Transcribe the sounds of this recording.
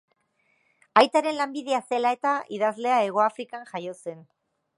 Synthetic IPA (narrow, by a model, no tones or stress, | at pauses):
ajt̪aɾe̞nlambiðe̞ase̞lae̞t̪aʔiðazle̞ae̞ɣ̞o̞afɾikanʝajo̞se̞n